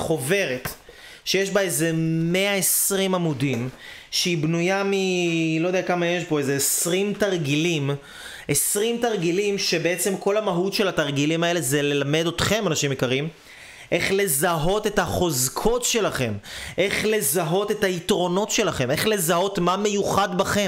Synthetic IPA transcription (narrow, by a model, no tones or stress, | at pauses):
χo̞ve̞ʁet | ʃejeʃbaeze̞meaesʁimamudimʃeibnujamilo̞jd̪ejakamajeʃbo̞eze̞ːsʁimtaʁɡilim | esʁimtaʁɡilimʃe̞bee̞t͡semko̞lhamaɦutʃe̞lataʁɡilimae̞le̞zele̞lamedot̪χe̞manaʃimikaʁim | ʔe̞χle̞zaɦo̞te̞taχo̞zkʰo̞tʃe̞laχe̞mʔe̞χle̞zaɦo̞te̞thaitʁo̞no̞tʃe̞laχe̞me̞χle̞zaɦo̞tmame̞juχadbaχe̞